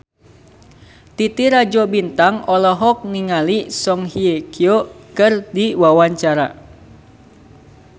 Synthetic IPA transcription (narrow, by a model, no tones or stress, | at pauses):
t̪it̪iɾad͡ʒobint̪aŋɔlɔɦɔk̚niŋalisɔŋhiekʰiokɨrdiwawaɲt͡ʃaɾa̰